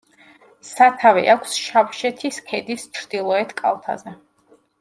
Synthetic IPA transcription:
sat̪ʰavɛ̰ʔakʷʰsʃapʃɛt̪ʰiskʰɛd̪ist͡ʃʰɾd̪̥ilˠɔɛt̪ʰkʼa̰lˠt̪ʰa̰zɛ

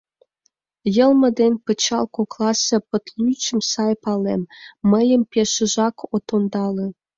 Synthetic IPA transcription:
jə̆lˠmə̆d̪enpə̆t͡ɕɑlkoklˠɑsə̆pə̆t̪lyt͡ɕə̆msɑjpɑlemːəjə̆mpeʃə̆ʒɑkʰot̪ond̪ɑlĕ

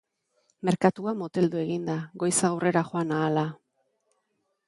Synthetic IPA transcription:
me̞ɾkat̪uamot̪e̞ld̪ue̞ɣind̪aɣo̞jsaːwre̞ɾaxo̞anaːla

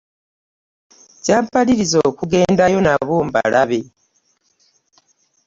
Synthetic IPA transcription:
ɟaːmpaliɾizokuɡe̞ːndajo̞naβomba̰lʔaβe̞

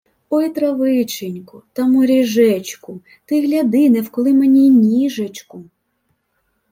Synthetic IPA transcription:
ɔjt̪ɾɐʋɪt͡ʃenʲkʊt̪ɐmɔɾʲiʒɛt͡ʃkʊ | t̪ɪɦlʲɐd̪ɪnɛwkɔlˠɪmenʲinʲiʒet͡ʃkʊ

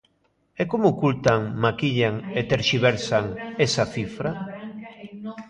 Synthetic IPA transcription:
ɛkomʊːkult̪aŋmakiʎaŋet̪eɾʃiβ̞eɾsaŋesaθifɾa

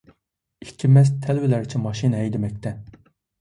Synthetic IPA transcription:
i̥kʲʰimːɛst̪ʰɛlvɪlæɾɪt͡ʃʰɛmɑʃinɛjd̪ɪmɛk̚ʲt̪ʰɛ

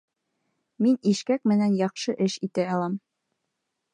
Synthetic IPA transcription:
miniʃkæk̚mɘ̆nænjɑχʃɤʔɘʃit̪æɑlˠɑm

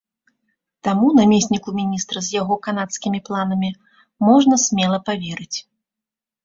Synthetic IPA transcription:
t̪amunamʲesʲnʲikumʲinʲist̪ɾɐzʲjaɣɔkanat̪skʲimʲiplˠan̪ɐmʲi | mɔʐnɐsʲmʲɛlˠɐpavʲɛɾɨt͡sʲ

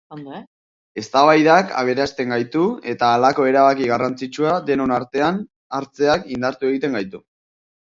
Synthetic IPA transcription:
e̞st̪aβajðaka̰β̞e̞ɾast̪e̞ŋɡajt̪ue̞t̪aːlako̞e̞ɾaβakiɣarant͡sit͡ʃuad̪e̞nonaɾt̪e̞an | aɾt͡se̞akind̪aɾt̪ue̞ɣit̪e̞ŋɡajt̪u

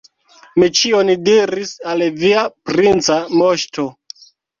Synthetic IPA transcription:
mit͡ʃiondiɾisalviapɾint͡samoʃto̞

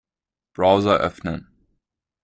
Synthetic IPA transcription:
b̥ʁaʊzɐʔœ̰fnə̰n

